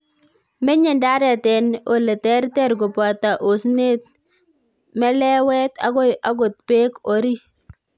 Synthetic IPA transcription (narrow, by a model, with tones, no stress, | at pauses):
mɛ˦ɲɛ˨nda˦ɾɛ˨tɛ˨no˨le˨tɛ˦ɾtɛ˦ɾɡɔ˨pa˨t̪a˨ʔo˨sne˦t̪̚ | mɛ˦lɛ˦wɛ˦t̪a̰˨ɡo˦a˦ɡʊ˨t̪̚pe˦ko˨ɾi˦